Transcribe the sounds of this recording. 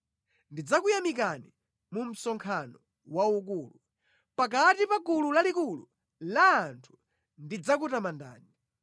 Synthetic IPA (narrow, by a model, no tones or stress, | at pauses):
ndid͡zakujamik̬ani | mum̩sɔŋkʰanɔ | wauk̬uːlu | pakatipakululalikulu | laːntʰu̥ | ndid͡zak̬utamanda̰ːni